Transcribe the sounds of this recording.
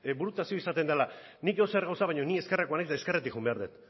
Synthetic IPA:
buɾut̪asio̞isat̪e̞nd̪alanikoseɾɣawsaβajɲo̞nie̞ske̞rakoanakzd̪aeskeret̪ikxumbe̞aɾðet̪

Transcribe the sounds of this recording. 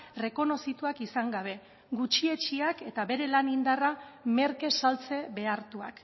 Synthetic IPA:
re̞ko̞no̞sit̪uakisaŋɡaβ̞e̞ | ɡut͡ʃie̞t͡ʃiake̞t̪aβe̞ɾe̞lanind̪arame̞ɾke̞salt͡se̞βe̞aɾt̪ua̰k

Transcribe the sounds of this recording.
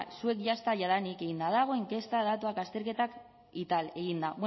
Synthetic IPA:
sue̞kʝast̪aʝaðanike̞ɣind̪að̞aɣ̞o̞eŋke̞st̪aðat̪uakast̪e̞ɾke̞t̪ak | it̪ale̞ɣ̞ind̪aβ

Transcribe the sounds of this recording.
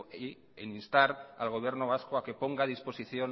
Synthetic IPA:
i | eninst̪aɾa̰lɣ̞o̞β̞je̞ɾnoβ̞askoakepo̞ŋɡaðispo̞siθjon

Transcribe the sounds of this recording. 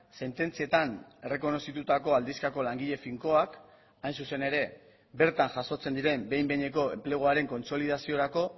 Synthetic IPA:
se̞nt̪e̞nt͡sie̞t̪ane̞re̞ko̞no̞sit̪ut̪ako̞ald̪iskako̞laŋɡiʎe̞fiŋko̞ak | ajnsuse̞ne̞ɾe̞ | be̞ɾt̪anʝaso̞t͡se̞nd̪iɾe̞mbe̞jmbe̞ɲe̞ko̞e̞mple̞ɣ̞oaɾe̞ŋko̞nso̞liðasio̞ɾako̞

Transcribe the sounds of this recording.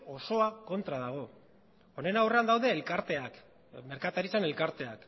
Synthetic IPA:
o̞so̞ako̞nt̪ɾaðaɣ̞o̞ | one̞nawre̞and̪awðe̞ːlkaɾt̪e̞ak | me̞ɾkat̪aɾit͡sane̞lkaɾt̪e̞ak

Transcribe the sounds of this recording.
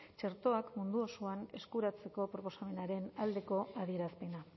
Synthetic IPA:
t͡ʃe̞ɾt̪o̞akmund̪uosoane̞skuɾat͡se̞ko̞pɾo̞po̞same̞naɾe̞nald̪e̞ko̞aðie̞ɾaspe̞na

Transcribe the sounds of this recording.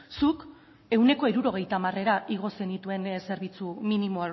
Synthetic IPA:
suk | e̞wne̞ko̞iɾuɾo̞ɣ̞e̞jt̪aːmare̞ɾaʔiɣ̞o̞send̪it̪ue̞nse̞ɾβ̞it͡suminimo̞a

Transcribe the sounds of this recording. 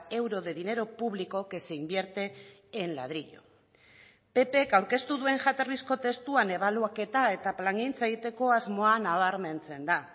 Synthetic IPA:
e̞wɾo̞ðe̞ðine̞ɾo̞puβliko̞ke̞seimbje̞ɾt̪e̞ː | nla̰ðɾiʎo̰ | pe̞pe̞kawɾke̞st̪uðue̞ŋʝat̪arisko̞t̪e̞st̪uane̞β̞aluake̞t̪ae̞t̪aplaŋɡint͡saeɣit̪e̞ko̞azmo̞anaβaɾme̞nt͡se̞nd̪a

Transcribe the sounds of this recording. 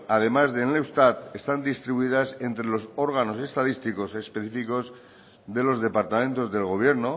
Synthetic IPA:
að̞e̞mazðenlewst̪at̪e̞st̪and̪ist̪ɾiβuiðase̞nt̪ɾelo̞so̞ɾɣ̞ano̞se̞st̪aðist̪iko̞sespe̞θifiko̞z | ðe̞lo̞zðe̞paɾt̪amẽ̞nt̪o̞zðelɣ̞o̞βje̞ɾno̞

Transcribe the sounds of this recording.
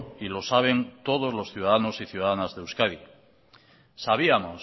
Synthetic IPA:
ilo̞saβ̞e̞nt̪o̞ð̞ozlo̞sθjuðaðano̞siθjuðaðanazðewskaði | saβ̞iamo̞

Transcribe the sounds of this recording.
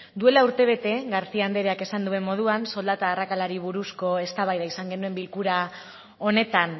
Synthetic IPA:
d̪ue̞lauɾt̪e̞β̞e̞t̪e̞ɡaɾt͡siand̪e̞ɾeake̞sand̪ue̞mːo̞ð̞uanso̞ld̪at̪aːrakalaɾiβ̞uɾusko̞e̞st̪aβajðaisaŋɡe̞nue̞mbilkuɾa | o̞ne̞t̪an

